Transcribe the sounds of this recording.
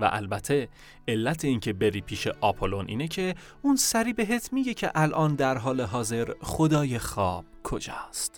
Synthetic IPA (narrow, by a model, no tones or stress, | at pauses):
væ̰ʔæ̰lbæt̪ʰːe̞ | elːæt̪ʰe̞iːŋcʰe̞be̞ɾiːpʰiːʃe̞ʔɒpʰolo̞nʔḭːnecʰe̞ | unsæɾiːbe̞ɦe̞t̪ʰmiːɟe̞cʰe̞̰ʔælʔɒːnd̪æɾɦɒːle̞ɦɒːze̞ɾχo̞d̪ɒːje̞xɒːb̥̚kʰo̞̰d͡ʒɒ̰ːst̪